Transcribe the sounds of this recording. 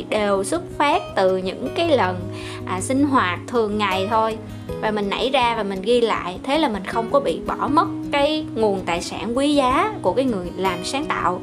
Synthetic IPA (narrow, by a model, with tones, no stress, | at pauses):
ɗe˨˩wswə˦˥t̚fɛ˦˥t̚t̪ɨ˨˩ɲɨ̰˧˥ŋkaː˨˦jlə˨˩n | ʔːsï˧ŋ̟ɦwaː˨˩t̚t̪ʰɨ˨˩əŋːa˨˩jt̪ʰo˧j | vaː˨˩mï˨˩ŋ̟ʔa̰˧˥jzaː˧vaː˨˩mï˨˩ŋ̟ɣi˧la̰ː˧˨jt̪ʰe˨˦laː˨˩mï˨˩ŋ̟xə˧wŋ͡mkɔ˨˦ɓḭ˧˨ɓɔ˧˩mə˦˥t̚kaː˨˦jŋu˨˩ənt̪a̰ː˧˨jsaː˧˩nkwi˨˦zaː˨˦ku˧˩əkaː˨˦jŋɨ˨˩əjlaː˨˩msaː˨˦ŋt̪a̰ː˧˨w